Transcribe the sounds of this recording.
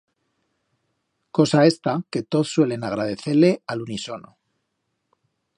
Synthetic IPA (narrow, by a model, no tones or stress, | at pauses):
ko̞sae̞st̪ake̞t̪o̞ðswe̞le̞naɣ̞ɾað̞e̞θe̞ɾle̞aluniso̞no̰